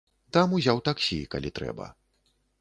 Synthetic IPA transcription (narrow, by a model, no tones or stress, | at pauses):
t̪amuzʲawt̪aksʲika̰lʲit̪ɾɛ̰bɐ̰